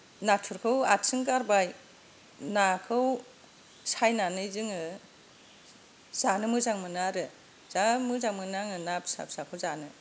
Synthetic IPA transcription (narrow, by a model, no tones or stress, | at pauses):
natʰuɾkʰɯwatsɯŋkaɾbaj | nakʰɯw | sajnanɯjzɯŋɯ | z̥anɯmɯzaŋmɯnaɾɯ | z̥amɯzaŋmɯnaŋɯnap̚sa̰p̚sakʰɯwzanɯ